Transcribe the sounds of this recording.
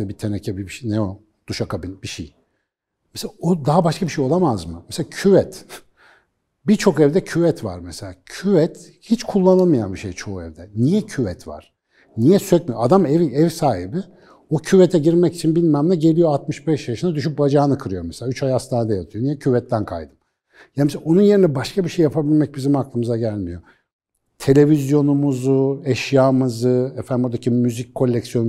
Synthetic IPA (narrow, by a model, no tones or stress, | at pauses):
ʃɛbit̪ʰenɛcʰɛbibiʃnɛo | d̪̥uʃakabinbiʃij | mɛseaod̪aɦabaʃkʰabiʃejo̞lˠamazmɯmɛselʲacʰyvɛt̪ | bit͡ʃʰo̞kɛvd̪ɛcʰyvɛt̪ʰva̰ɾmɛselʲaːcʰyvɛt̪ | hit͡ʃkʰulˠːanamɯjanbiʃejt͡ʃʰo̞uɛ̰vd̪ɛnijɛcʰyvɛt̪va̰ɾ̥ | nijɛsøcmyjoad̪amɛviɛvsaːɦibi | ocʰyvɛt̪ʰɛɟiɾmɛci̥t͡ʃʰinbilʲmæmlʲɛɟe̞lʲijo̞at̪mɯʃbɛʃjaʃɯnd̪ad̪yʃ̬yp̚bad͡ʒaːnɯkʰɯɾɯjo̞mɛselʲaːyt͡ʃʰajast̪aːnad̪ajat̪ʰɯjo̞nijɛcʰyvɛt̪ʰːænkʰa̰jd̪ɯm | janmeseonunje̞ɾinɛbaʃkʰabiʃe̞jːapʰabilʲmɛc̚bizimaklˠɯmɯzaɟælʲmijo̞ | t̪ʰe̞lʲe̞vizjo̞numuzuɛʃjaːmɯzɯɛfænd̪imbuɾd̪acʰimyzic̚kʰːo̞lʲːɛcsjo̞n